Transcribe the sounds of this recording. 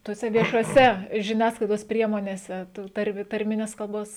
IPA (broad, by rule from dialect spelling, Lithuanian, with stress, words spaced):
tuɔˈsʲɛ ʋʲiɛʃuɔˈsʲɛ ʒʲɪˈnʲæːsklˠɐɪdoːs ˈpʲrʲiɛmoːnʲeːsʲɛ ˈtuː ˈtɐrʲmʲɪ tɐrʲˈmʲɪnʲɛs kɐlˠˈboːs